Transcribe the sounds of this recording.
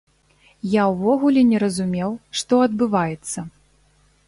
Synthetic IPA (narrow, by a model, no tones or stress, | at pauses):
jawvɔɣulʲɛnʲɛɾɐzumʲɛwʂt̪ɔɐd̪bɨvajɛt̪sːɐ